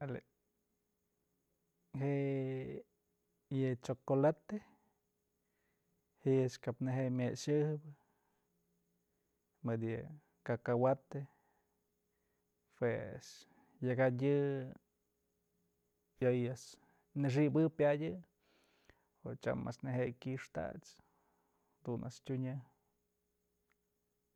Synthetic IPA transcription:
ale | ɦeʔ | jɨt͡ʃokolat̪e | hiskapneɦemʲeʃɨhbɨ | mɨd̪jɨ | kakawat̪e | pwes | jaɡaɨ | jojas | nɨʂ̬ibɨpʲadʲɨ | ot͡ʃa̰ma̰sneɦejkʲiʂt̪a̰t͡s | d̪unʔa̰stʲuɲɨ

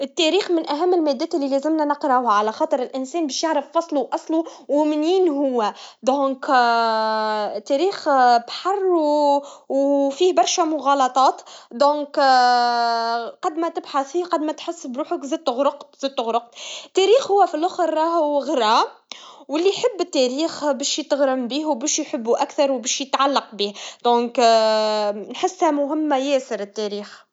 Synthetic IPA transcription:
ɪt̪ːæɾiːxmɪnʔæɦæmːɪlmæːd̪ːæːt̪ɪlːilæzɪmnænəqɾˤɑʔhaʕalæxɑːt̪ˤɨɾɪlʔɪnsɛːnbɛːʃjaʕɾɑfːɑsˤluwʔɑsˤluwmɪnjiːnɦʊwːæd̪õːk | t̪ːæɾiːxbħɑrˤː | wfiːhbɑɾˤʃæmʊɣɑlɑt̪ˤɑːt̪d̪ɔ̃ːk | qɑd̪mæt̪ɪbħaθiːqɑd̪mæt̪ħɪsːbɾuːħəkzæd̪̚t̪ɣɾʊqt̪zəd̪̚t̪ʊɣɾʊq̚t̪t̪ːæɾiːxhʊwːæfilʔʊxɾːˤɑːhɣəɾɑ | wɪlːiħəbːɪt̪ːæɾiːxbæʃjt̪ɣɾəmbiːhwbæːʃjħəbːuʔækθɑɾˤwbæʃjət̪ʕalːɑq̚biːhd̪̥ɔ̃ːk | nħɪsːhæmʊɦɪmːajɛːsəɾət̪ːæɾiːx

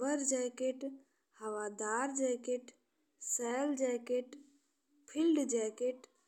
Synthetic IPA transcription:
bəɾd͡ʒɛjkeʈ | həʋaːd̪aːɾd͡ʒɛjkeʈ | sɛːld͡ʒɛːkeʈ | pʰilɖd͡ʒɛːkeʈ

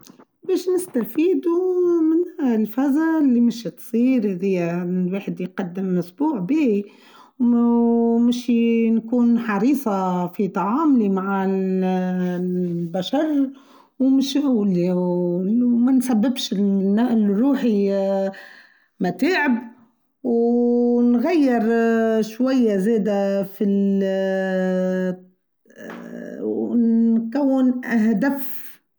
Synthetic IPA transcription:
beːʃnɪst̪afiːd̪umɪnlfazalːimɪʃt̪sˤiːɾhðɪjːamwaːħɪd̪jqɑd̪ːɪmːʊsbuːʕbiː | w | mɪʃinkuːnħɑɾiːsˤɑfit̪ɑʕɑːmlimaʕa | baʃɑɾˤ | wmɪʃʔuːli | mansabːɪbʃɪnːaʔlɾuːħi | mat̪eːʕɪb | w | nɣajːɪɾʃwajːazeːd̪afil | kawːɪnʔaɦd̪af

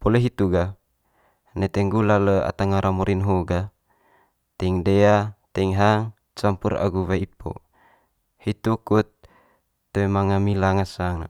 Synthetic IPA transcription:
poleɦit̪uɡa | nɛt̪ɛŋɡulaləa̰t̪aŋaɾamuɾinɦoɡa | t̪ɛiŋdeat̪ɛiŋɦaŋ | t͡ʃampuɾa̰ɡuβaipo̰ | hit̪ukut̪ː | emaŋamilaŋasaŋna

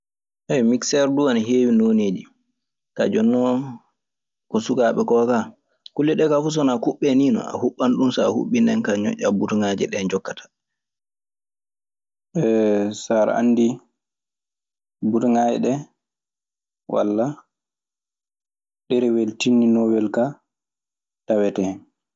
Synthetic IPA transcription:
ʔɛjmiksɛɾduanaɦeːwinoneːd͡ʒi | ka̰d͡ʒɔnːɔ | kɔsukaɓɛkɔka | kulːiɗɛkafus̬ɔnakuɓːɛniːnɔ̰a̰huɓːanɗumsaahṵɓːindɛnkaɲɔ̰ʔʲːabutŋaːd͡ʒɛ̰ɗɛnd͡ʒɔkːatḁ | ɛsaɾa̰nːdi | butŋajɛ̰ɗɛ | wa̰lːa | ɗɛɾɛweltinːinɔwɛlka | tawɛtɛhɛn

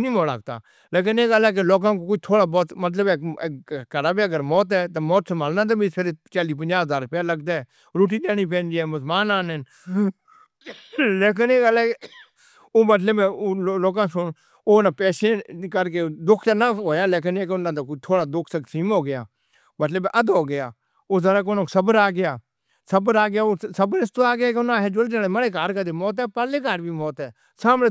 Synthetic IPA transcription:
nĩːmoːla̰ːɡ̚t̪a̰ː | leːk̬ɪneːɡəlɛːk̬eloːkãːkokoit̪ʰoːɽaːbɔːt̪mət̪̬ləbeːekəɾaːbeːəɡəɾmɔːt̪ɦɛːt̪amɔːt̪səmʱaːlnaːt̪̬abĩpʰeɾet͡ʃaːliːp̬ə̃ɲd͡ʒaːɦəzaːɾpɪjaːləɡd̪aːɛː | ɾoːʈiːd̪eːniːp̬ɛ̃ːnd͡ʒiɛːmʊsmaːnaːnɛn | leːk̬ɪneːɡəlɛːe | oːmət̪ləbẽloːkãːsʊn | oːnãːpɛːsẽːkəɾkeːd̪ʊkʰt̪aːnaːɦoːjãːleːkənɛ̃ːkeʊnãːt̪akt̪ʰoːɽaːd̪ʊkʰsəksiːmɦoːɡɪjaː | bəʈləbeːʔəd̪oːɡɪjaː | oːzəɾaːk̬oːnoːksəbəɾaːɡɪjaː | səbəɾaːɡɪjaːoːsəbəɾɪst̪oːaːɡɪjaːkeʊnãːɦɛːd͡ʒʊld͡ʒaːɽẽːməɽeːkaːɾkəd̪eːmɔːt̪̬ɦɛːpaleːkaːɾbʱiːmoːt̪ɦɛː | saːmeː

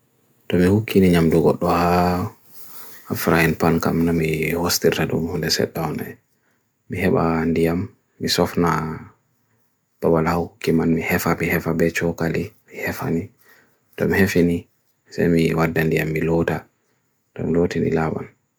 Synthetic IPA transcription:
tɔmihukʰːiniɲamduɡɔɗːɔha | afɾajinpanka̰mnamihostirtadɔ̰mhundɛsɛ̰ɗːana̰j | mihɛɓa̰ndijamː | isɔfna | b̥awalhahukːimanmihɛfamihɛfabɛt͡ʃɔkalimihɛfa̰ni | tɔmihefini | sa̰jmiwadːandijamːilɔta | tɔ̰milotinḭlaɓa̰n

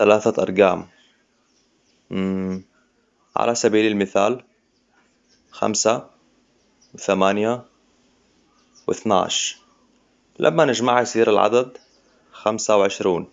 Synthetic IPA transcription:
θalaːθaʔɑ̰ɾˤɡaːm | ʕa̰lʔasabiːlɪlmɪθaːl | xa̰msa | wɪθamaːnja | wɪ̰θna̰ːʃ | lʔa̰mːanɪd͡ʒmaʕjsiːɾalʕa̰d̪ad̪ | xamsawʕɪʃɾiːn

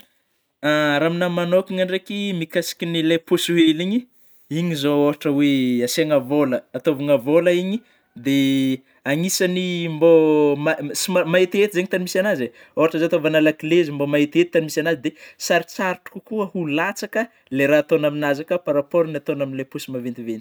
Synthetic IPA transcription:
aɾaminamanokiŋaɳɖ͡ʐekimikasi̥kinileposueliɲi | iɲizooɦaʈ͡ʂəweaseŋəvoləːt̪ovaŋəvoləiɲi | d̪e | aŋisanimbomasimamaet̪et̪izeɲit̪animisanaze | oaʈ͡ʂəzoat̪ovanalakilezimbomaɦet̪et̪it̪animisanazid̪esaɾit͡saɾiʈ͡ʂu̥kukuəhulat͡sakə | leɾaːt̪onaminazakəpaɾapoɾniat̪onaminilaposimavent̪ivent̪i̥

